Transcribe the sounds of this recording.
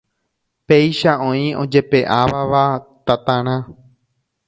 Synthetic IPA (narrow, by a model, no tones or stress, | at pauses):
pe̞jʃaʔõ̞ĩõ̰d͡ʒe̞pe̞ʔaʋaʋat̪at̪ãɾ̃ã